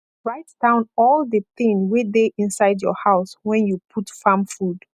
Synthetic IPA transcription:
ɹaɪt̚d̥ãʊ̃nɔlˠdəθɪ̃ŋwedeʔĩnsaɪdjɔ̰haʊswɛ̃njupʰutfãmfud

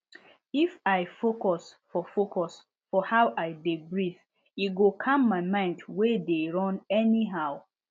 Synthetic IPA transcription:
ifaɪfokɔsfɔfokɔs | fɔhawʔaɪdebɹif | iɡokʰãmːaɪmãɪ̃ndwedeɹɔ̃nɛniɦaʊ

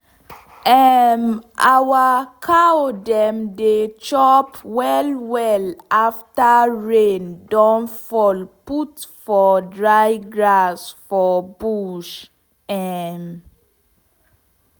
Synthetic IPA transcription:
ɛmawakʰaodɛ̃mdet͡ʃɔpwɛlwɛlaftaɹẽndɔ̃nfɔlputfɔdɹajɡɹasfɔbuʃ | ɛm

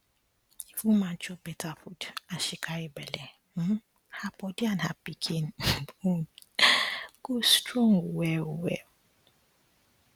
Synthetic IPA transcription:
ifumãn̩t͡ʃɔbɛtafudaʃikʰaɾibɛlɛ | m̩ | hapɔdianha̰pikʰinbun | ɡ̥ostɾɔ̃ŋuwɛuwɛ̰

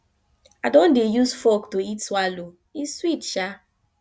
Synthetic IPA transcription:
adɔ̃ndejusfɔktoitswalo | iswitʃa

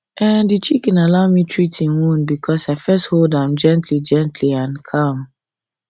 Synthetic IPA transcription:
ɛdit͡ʃikɛ̃nalaʊmitʰɹitĩnwũnbikʰɔsaɪfɛstholdãmd͡ʒɛ̃ntlid͡ʒɛ̃ntʰliãnkʰãm

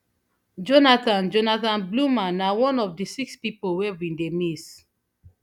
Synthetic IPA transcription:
d͡ʒɔnatãnd͡ʒɔnatãnblumãnawɔ̃nɔfdisikspipolwɛɹĩndemis

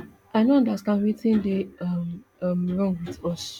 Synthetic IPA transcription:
aɪnoãndastãndwitĩndemmɹɔ̃ŋɡwitɔs

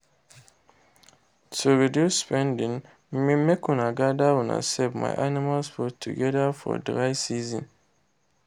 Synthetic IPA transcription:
sobeduspɛ̃ndĩn | m̩mĩmɛkʰũnaɡadawɔ̃na̰sɛbma̰ʔanĩmalspʰɔtʰṵɡɛdafɔ̰dɾaɪsizĩn

